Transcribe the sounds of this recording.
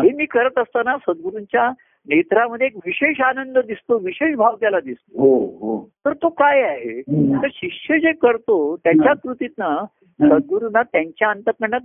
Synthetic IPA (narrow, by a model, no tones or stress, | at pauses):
ɦemiːkəɾət̪əst̪anasəd̪̚ɡuɾuɲt͡ɕja | net̪ɾaməd̪ʱːjeːkʋiɕeɕanənd̪əd̪ist̪oʋiɕeʂbʱaʋt̪jalad̪ist̪oɦoɦot̪əɾt̪okajaɦet̪əɾɕikʂjəd͡ʑekəɾt̪ot̪jaɲt͡ɕjakɾut̪it̪na | səd̪̚ɡuɾunːat̪jaɲt͡ɕjaənt̪əpəɳat̪